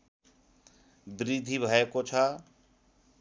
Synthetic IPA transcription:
bɾid̪ʱibʱʌekot͡sʰʌ

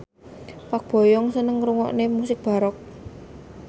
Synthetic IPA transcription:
pak̚b̥ɔ̤jɔŋsənəŋɾuŋɔ̰ʔnemusɪk̚b̥a̤ɾɔk̚

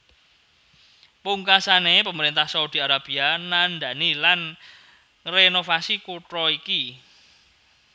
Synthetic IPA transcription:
puŋkasanepəməɾint̪ahsaud̪̥i̤aɾab̥ianand̪a̤nilan | renofasikuʈ̪ɾɔiki

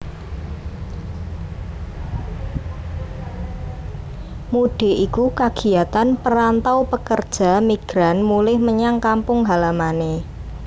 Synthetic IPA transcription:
muɖ̥e̤ʔikukaɡ̥i̤at̪anpəɾant̪awpəkərd̥ʒ̥a̤miɡ̥ɾanmulɪhməɲaŋkampʊŋɦalamane

